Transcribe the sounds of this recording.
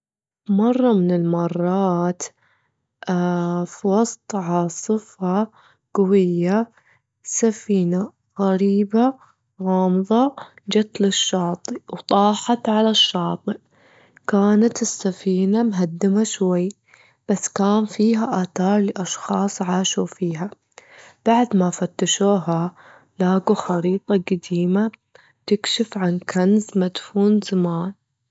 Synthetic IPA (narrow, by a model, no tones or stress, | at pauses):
mɑrˤːɑmɪnɪlmɑrˤːɑːt̪ | ʔfwɑsˤt̪ˤʕɑsˤɨfɑ | ɡ̥awɪjːa | safiːna | ɣaɾiːba | ɣɑːmðˤɑd͡ʒat̪lɪʃːɑːt̪ˤiwt̪ˤɑːħɑt̪ʕalaʃːɑːt̪ˤɨʔ | kaːnat̪ɪsːafiːnamɦad̪ːɪmaʃwajː | b̥asːkaːnfiːɦaʔaːθɑːɾˤliʔɑʃxɑːsˤʕaːʃufiːɦa | b̥aʕd̪mafat̪ːaʃuːɦa | laːɡuxɑɾiːt̪ˤɑɡad̪iːma | t̪ɪkʃɪfʕankanzmad̪fuːnzamaːn